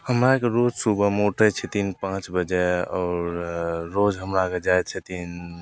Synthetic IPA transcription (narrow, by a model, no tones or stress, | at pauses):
həmɾakeɾod͡ʒsubʱəmeuʈət͡ʃʰɛt̪inpãt͡ʃbəd͡ʒeɔɾːod͡ʒɦəmɾaked͡ʒajt͡ʃʰɛt̪in